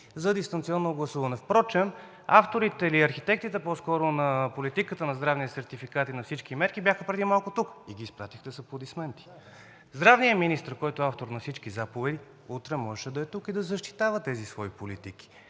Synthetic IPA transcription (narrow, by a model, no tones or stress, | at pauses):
zɐd̪ist̪ɐnt̪siɔnːoɡlˠɐsuvənɛfpɾɔt͡ʃɛm | aft̪oɾit̪ɛiliɐɾxit̪ɛk̚t̪it̪ɛpɔskɔɾonɐpolit̪ikət̪ənɐzd̪ɾavniɛsɛɾt̪ifikat̪inɐfsit͡ʃkimɛɾkibʲjaxəpɾɛd̪imalˠkʊt̪ukiɡʲiːspɾat̪ixt̪ɛsɐpod̪ismɛnt̪i̥ | zd̪ɾavnijəminist̪əɾkɔjt̪ʊaft̪oɾnɐfsit͡ʃkizapovɛd̪i | ut̪ɾɛmɔʒɛʃɛd̪ɐɛt̪ukid̪ɐzɐʃt̪i̥t̪avət̪ɛzisvɔipolit̪ik̟i̥